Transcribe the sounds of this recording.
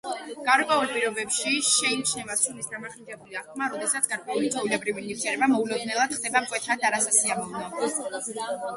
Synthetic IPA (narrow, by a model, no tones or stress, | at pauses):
ɡ̥aɾkʼwɛulˠpʼiɾɔbɛpʃiʃɛit͡ʃʰnɛvasunisd̪amaχind̪ɛbuliaχkʰmaɾɔd̪ɛsat̪sɡaɾkʼwɛulit̪ʼɔvilɛbɾiviniɾt̪sʰɛɾɛbamɔulɔd̪nɛlˠad̪̥χd̪ɛbaqʼwɛt̪ʰad̪aɾasasiamɔvnɛd̪